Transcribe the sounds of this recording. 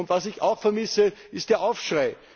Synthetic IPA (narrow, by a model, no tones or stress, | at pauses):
ʊntvasɪça̰ʊxfɛɐmɪsəɪst̚d̥eːɐʔaʊfʃʁaɪ